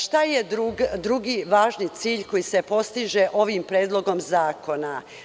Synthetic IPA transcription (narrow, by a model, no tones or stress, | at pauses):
ʃt̪ajed̪ɾuɡd̪ɾuɡiʋaːʒnit̪siːʎko̞jise̞po̞st̪iʒeʔo̞ʋimpɾeːd̪lˠo̞ɡo̞mzaːko̞na